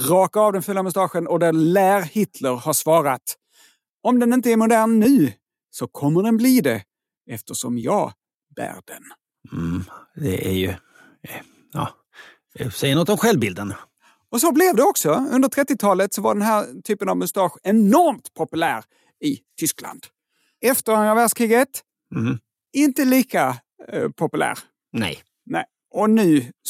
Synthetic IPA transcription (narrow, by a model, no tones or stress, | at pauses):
ɾɑːkaːvd̪ɛnfʉːlːamʊst̪ɑːɧənɔd̪æɾlæːɾhɪt̪ləɾhaʂvɑːɾat̪ | ɔmd̪ɛnɪnt̪əɛɾmʊd̪æːɳːʉ̟ː | sɔkʰɔmːəɖɛnbliːd̪ɛ | ɛft̪əʂɔ̰mjɑ̰ː | b̥æ̰ːɾɖɛ̰n̩ | d̪ɛ̰ʔæ̰jɵ | ɑ̰ː | sɛjəɳnɔt̪ːɔmɧɛlvbɪld̪ən | ɔs̬ɔblɛvd̪ɛɔksɔɵnd̪əɾt̪ʰɾɛt̪ːɪt̪ʰɑːlət̪sɔvaɖɛnɦæɾt̪ʰyːpənavmʊst̪ɑːɧɛnɔɾmt̪pʰɔpɵlæ̰ːɾ | ɪt̪ʰʏskla̰nd̪̥ | ɛft̪əɾanɾavæːʂkʰɾiːɡət̪̩ | ɪnt̪əliːka | pʰɔpɵlæ̰ːɾ | nɛ̰j | nɛɪ | ʔɔnʉ̟ː